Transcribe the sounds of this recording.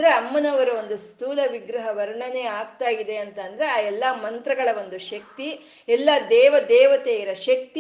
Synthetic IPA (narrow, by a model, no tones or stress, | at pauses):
ɾeɐmːɐnɐʋɐɾɐo̞nd̪ust̪uːlɐʋiɡɾɐɦɐʋɐɾɳɐne̞ːaːɡ̚t̪aːjid̪e̞ɐnt̪ɐnd̪ɐɾe̞aːɛlːɐmɐnt̪ɾɐɡɐɭɐʋo̞nd̪uʃɐk̚t̪i | ɛlːɐd̪ɛːʋɐd̪ɛːʋɐt̪ejiɾɐʃɐk̚t̪